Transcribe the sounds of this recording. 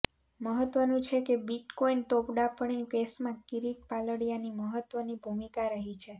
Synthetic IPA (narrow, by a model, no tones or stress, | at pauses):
məɦət̪ʋənũt͡ʃʰekebiʈkoint̪opɖapəɳepesmãkiɾiʈ̪̚paləɽijaniməɦət̪ʋənibʱumikaɾəɦit͡ʃʰe